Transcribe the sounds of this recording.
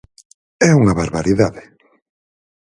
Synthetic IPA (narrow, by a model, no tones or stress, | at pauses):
ɛuŋaβaɾβaɾiðaðɪ